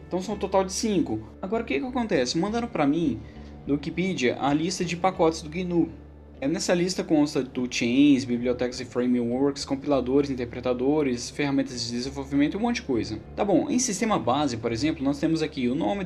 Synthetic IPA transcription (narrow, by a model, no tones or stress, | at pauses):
t̪ɐ̃w̃sɐ̃w̃t̪ot̪awd͡ʒɪsĩkʊ | aɡɔɾɐʊkɪkɪakõnt̪ɛsɪmɐ̃d̪aɾʊ̃pɾɐmĩ | d̪ʊwikipɛd͡ʒiɐ̰ʔɐlist̪ɐd͡ʒɪpakɔt͡ʃɪ̥zd̪ʊɡinu | nɛsɐlist̪ɐkõst̪ɐt̪ut͡ʃẽj̃zbibliot̪ɛkɐzɪfɾẽjmĩwoɾkskõmpilad̪oɾɪzĩnt̪eɾpɾet̪ad̪oɾɪsfehamẽnt̪ɐzd͡ʒɪd̪ezẽvowvimẽnt̪ʊiũmõt͡ʃd͡ʒɪkojzɐt̪abõʔḛ̃j̃sist̪ẽmɐbazɪkʊpoɾezẽmplʊnɔst̪ẽmʊzakiʊnõmɪ